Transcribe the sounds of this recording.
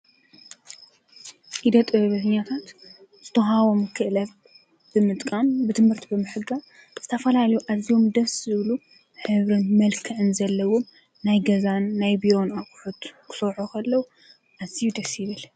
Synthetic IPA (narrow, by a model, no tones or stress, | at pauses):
ʔid̪ɐt̪ʼɨβɨhɨɲat̪ʰat̪ | z̥ɨt̪ʰoɦaβo̞mkʰɨʔlɐβ | b̥ɨmɨt̪ʼkʼambɨt̪ʰɨmhɨɾt̪ʰibɨmɨħɨɡa | z̥ɨt̪ʰɐfɐlaljuʔazijo̞md̪ɐszɨβlu | ħɨβɾɨnmɐlkʰɨʕɨnzɐlːɐwom | najɡɐzanːajbijo̞nakʼuħut̪kʰɨ̥sɐħokʰɐlːɐwu | ʔazijud̪ɐsiβɨl